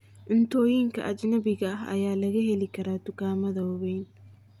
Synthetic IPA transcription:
ʔɪnt̪oːjiːŋkɐ̰ʔɐd͡ʒɪnɐbɪɡɐɐ̰jaːlɐɣɐhɛlɪkɐɾat̪ʊkaːmɐðɐɔβen

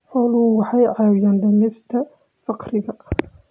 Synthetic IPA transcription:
ħɔlʊhʊwɑħɑjʕɑːjaːnd̪ɐmɛst̪ʰɐ | fɑqɾɪɣɐ

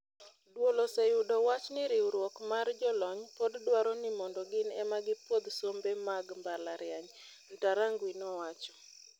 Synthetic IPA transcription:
dwolɔsejudɔwat͡ʃnɪɾɪwɾwɔkmard͡ʒɔlɔɲpoddwaɾɔnɪmɔndɔɡɪnɛmaɡɪpwod̪sombemaɡmbalaɾɪaɲ | ntaɾaŋɡwinɔwat͡ʃɔ̥

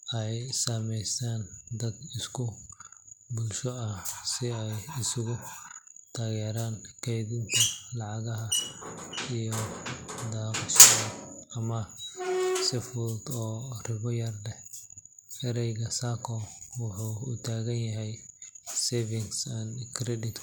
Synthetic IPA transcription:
ɛjsaːmɛjsaːnd̪ɐd̪ɪskʰʊ | bulʃɔɐhsɪɛjɪsʊɣʊ | t̪ʰaːɣɛːɾaːnkʰɛjðɪnt̪ʰɐlɑʕɑɣɐɦɐ | ijɔd̪aːkʊsɔɐɐmɐ | sɪfʊld̪ɔːrɪβɔjɐrlɛ | ɛɾɛjɣɐsaːkʰɔwʊħuːʊt̪ʰaːɣɐnjɐɦɛjsɛvɪŋsɐnkʰɾɛd̪ɪt̪

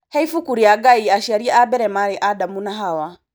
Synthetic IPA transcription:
hɛifukuɾiaɡaiaʃaɾiaabɛɾɛmaɾiʔadamunaɦawa

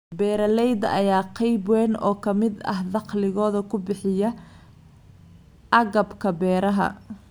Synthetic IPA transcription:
bɛːɾɐlɛjd̪ɐʔɐjaːqʰɑjbwɛːnɔ̰ːkʰɐmɪd̪ɐ̰ɦd̪ɑqlɪɣɔːðɐkʰʊbɪħɪjɐ | ʔɐɣɐbkʰɐbɛːɾɐɦɐ̰

